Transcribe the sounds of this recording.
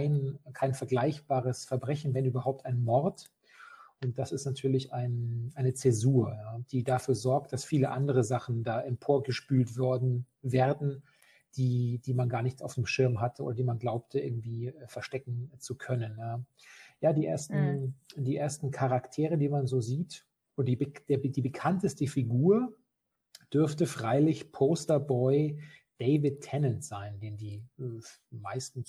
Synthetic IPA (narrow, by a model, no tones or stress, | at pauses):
aɪnkʰaɪnfɛɐɡlaɪçb̥aːʁəsfɛɐbʁɛçn̩vɛnʔyːbɐhaʊp̚taɪnmɔʁt | ʔʊnt̚d̥asɪstnatʰyːɐlɪçʔaɪnʔaɪnət͡sɛzuːɐjaːd̥iːdafyːɐzɔɐk̚t̚d̥asfiːləʔandəʁ̞əzaχn̩daːʔɛnpʰoːɐɡəʃpyːltv̥ɔɐdn̩ | veːɐdn̩ | d̥iːd̥iːmanɡaːɐnɪçtaʊfd̥emʃɪɐmɦatəʔo̰ːɾɐdeiːmanɡlaʊp̚tʰəʔɪ̰ɐɡŋ̩tv̥iːfɛɐʃtɛkŋ̩t͡sukʰœnənɛː | jaːdiːʔḛːɐstn̩d̥iːʔeːɐstn̩kʰaʁaktʰeːʁədiːmanzoːziːt | ʔʊdd̥iːbd̥eːɐdiːbəkʰantəstəfiɡuːɐ | d̥ʏɐftəfʁ̥aɪlɪçpʰoːstɐbɔʏd̥eɪvɪtʰːɛnəntz̥aɪndeːndiː | maɪstn̩